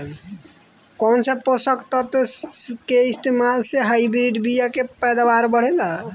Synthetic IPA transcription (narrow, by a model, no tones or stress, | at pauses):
kɔnseposəkt̪ɔt̪keist̪emalseɦaibɾiɖbijakepɛd̪abaɾbəɽ̤ɛd̪a